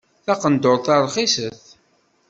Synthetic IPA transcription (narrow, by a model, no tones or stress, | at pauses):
θɑqənd̪oɾθɑɾˤχisəθ